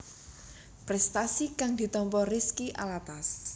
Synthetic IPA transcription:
pɾɛst̪asikaŋd̪̥i̤t̪ɔmpɔriskiʔa̰lat̪as

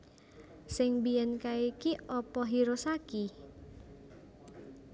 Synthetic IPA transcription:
sɪŋbiɛnkaikiɔpɔɦiɾosaki

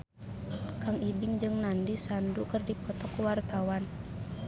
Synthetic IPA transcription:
kaŋibiŋd͡ʒɨŋnandisandukərdipɔt̪ɔkuwart̪awan

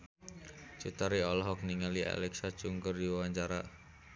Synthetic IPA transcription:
t͡ʃit̪aɾiɔlɔɦɔk̚niŋaliʔa̰lɛksḁt͡ʃuŋkərdiwaɲt͡ʃaɾa

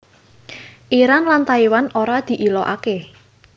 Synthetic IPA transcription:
ʔiɾanlant̪aiwanoɾad̪̥i̤ʔilɔʔa̰ke

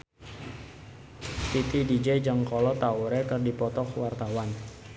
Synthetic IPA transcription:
t̪it̪idid͡ʒɛd͡ʒəŋkɔlɔt̪auɾɛkərdipɔt̪ɔkwart̪awan

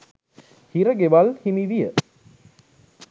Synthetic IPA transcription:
hiɾəɡeʋalhimiʋijə

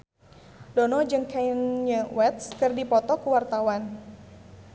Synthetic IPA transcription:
dɔnɔd͡ʒɨŋkanɲəwɛt̪̚skɨrdipɔt̪ɔkuwart̪awan

